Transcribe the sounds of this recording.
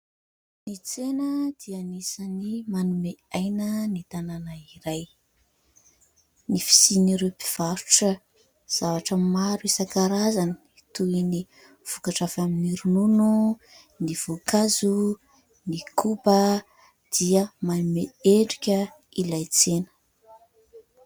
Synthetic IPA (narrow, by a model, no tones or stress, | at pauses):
nit͡senəd̪̥ianisanimanumeajnənit̪ananaiɾaj | nifi̥siniɾepi̥v̥aɾu̥ʈ͡ʂə | z̥avaʈ͡ʂəmaɾuesakaɾazani̥it̪uini | v̥ukaʈ͡ʂavaminiɾununu | niv̥okazu | nikubə | d̪̥iəmanumeeɳɖ͡ʐikʲə | ilajt͡senə̥